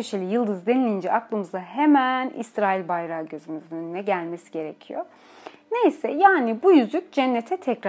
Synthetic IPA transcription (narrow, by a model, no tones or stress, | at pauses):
øʃelʲijɯlˠd̪ɯzd̪e̞nilʲind͡ʒɛʔaklˠɯmɯzd̪aɦe̞mænḭsɾaːilʲbajɾaːɟø̞zymyzønynɛɟælʲme̞si̥ɟe̞ɾe̞cʰijo | ne̞jsɛjaːnibujyzlʲyc̚d͡ʒænːet̪ʰɛt̪ʰɛcɾ